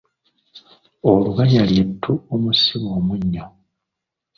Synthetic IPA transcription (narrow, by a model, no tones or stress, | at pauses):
oluβaɲaljetʰːuomusiβoːmuɲːo